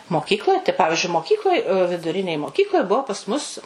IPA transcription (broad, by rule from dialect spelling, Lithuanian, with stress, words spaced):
moːˈkʲiːklˠoːj tɐɪ ˈpɑːʋʲɪʒʲʊɪ moːˈkʲiːklˠoːj ʋʲɪdʊˈrʲɪnʲeːj moːˈkʲiːklˠoːj ˈbuɔ pɐs mʊs